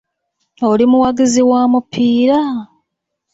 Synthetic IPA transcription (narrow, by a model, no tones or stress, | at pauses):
olimuwaɡiziwaːmupʰːiːɾa